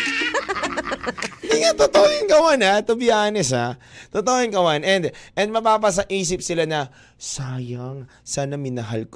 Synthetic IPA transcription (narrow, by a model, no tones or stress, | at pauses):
ɪnd̪iŋat̪ot̪ojɪnkɐwanat̪obɪaːnɛsat̪ot̪oːjɪnkɐwanʔɛnd̪ʔɛnd̪mɐpaːpɐs̬ɐʔiːsɪp̚sɪlanɐ | saːjɐŋ | sanɐmɪnɐɦalk